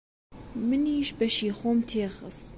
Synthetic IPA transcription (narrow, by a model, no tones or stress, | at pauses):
mɨniːʃbɐʃiːxoːmt̪ʰeːxə̰st̪̚